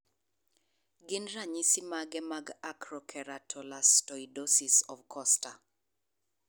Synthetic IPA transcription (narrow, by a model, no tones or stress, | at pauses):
ɡɪnɾaɲisɪmaɡɛmaɡakɾɔkʰɛɾatʰɔlastɔidosisɔvkʰɔsta